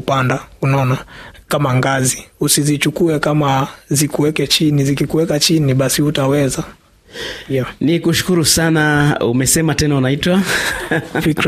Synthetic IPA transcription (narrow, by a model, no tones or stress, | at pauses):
upandaunɔnakamaŋɡaziusizit͡ʃukuɛkamazikuwɛkɛt͡ʃinizikikuwɛkat͡ʃiniɓasihutawɛza | nikuʃu̥kuɾusanaṵmɛsɛmatɛnaunaitwa | fik